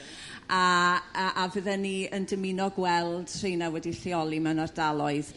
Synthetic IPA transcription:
aəʔavəðɛniəndəmɪnɔɡwɛlˠd̥r̥inawɛdiɬiɔlˠimɛnardalˠɔɨð

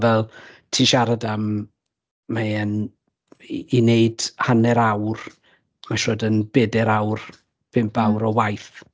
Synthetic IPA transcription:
vɛlˠtʰiːʃaɾadam | maɛn | ineɨd̥hanɛɾawr | maʃɔdənb̥ɛdɛɾawr | b̥ɪmb̥awɾɔwajθ

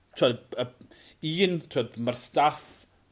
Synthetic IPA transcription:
tʰoːdə | iːntʰoːdmarstaθ

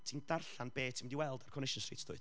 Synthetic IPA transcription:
tʰiːndarɬanb̥eːtʰiːmdiwɛlˠdarkʰɔnɪʃɔnsrḭːtʰd̥ʊ̰ɨ̥

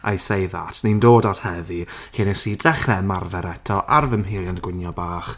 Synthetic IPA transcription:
ʔa̰jsejða̰ːtʰnindoːdathɛvi | kinɛsiːdɛχɛmarvɛɾɛtʰɔʔarvəmɦɪljandɡ̥wɪnjɔbaːχ

